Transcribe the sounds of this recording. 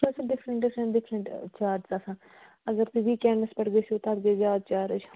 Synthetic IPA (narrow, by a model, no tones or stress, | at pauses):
ɐsãːɖɪpʰɾə̃ɳʈɪpʰɾə̃ɳʈɖɪpʰɾə̃ɳʈt͡ʃaːɾʈzaːsãː | əɡəɾt̪iʋiːkɛːɳəspəʈɡeːsioːt̪ab̪ɡeːzjaːd̪̚t͡ʃaːɾəd͡ʒ